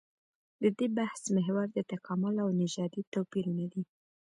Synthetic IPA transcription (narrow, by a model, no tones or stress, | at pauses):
d̪əd̪ebahsmɪɦwaɾd̪ət̪akɑmʊlawnɪʒɑd̪it̪awpiɾunad̪i